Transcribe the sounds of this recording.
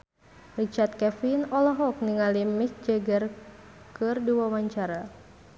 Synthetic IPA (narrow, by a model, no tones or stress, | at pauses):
rit͡ʃart̪̚kɛfinɔlɔɦɔk̚niŋalimik̚d͡ʒaɡər | kɨrdiwamaɲt͡ʃaɾa